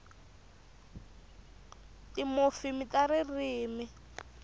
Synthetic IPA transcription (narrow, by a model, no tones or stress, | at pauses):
timofimitaɾiriːmi